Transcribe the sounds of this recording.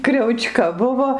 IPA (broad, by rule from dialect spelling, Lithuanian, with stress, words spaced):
krʲɛʊˈt͡ʃkɐ ˈbʊʋoː